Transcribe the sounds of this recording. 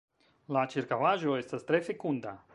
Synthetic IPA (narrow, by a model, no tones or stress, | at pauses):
lat͡ʃiɾkavaʒoest̪əst̪ɾefekund̪a